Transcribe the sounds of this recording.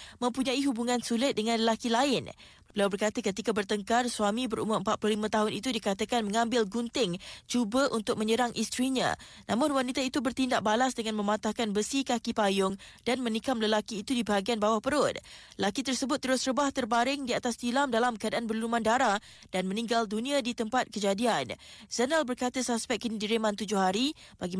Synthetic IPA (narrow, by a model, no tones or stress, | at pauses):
mə̃mpuɲãiɦubuŋãnsulɪt̪̚dəŋãnləlakilaɪn | bəbəliawbərkat̪əkət̪ikabərt̪əŋkarsuamibəɾṵmʊəmpat̪̚plohlimə̃t̪aɦʊnit̪udikat̪akanmə̃ŋãmbɪlɡunt̪ɪŋt͡ʃubəʔunt̪ʊk̚mə̃ɲəɾaŋʔist̪ɾiɲã̰nʔa̰mʊnwanit̪ait̪ubərt̪indaʔ̚balasdəŋanmə̃mat̪ahkanbəsikakipajʊŋdanmə̃nikamləlakiːt̪udibəɦaɡianbawahpəɾʊd̪̚ləlakit̪ərsəbʊt̪ːəɾʊsrəbaht̪ərbaɾɪŋdiat̪ast̪ilamdalamkəadaʔanbərlumandaɾa | d̥anmə̃nĩŋɡaldunĩadit̪əmpat̪̚kəd͡ʒadianz̥ənalbərkat̪əsaspɛk̚kːənidiɾemãnt̪ud͡ʒʊhaɾib̥aɡi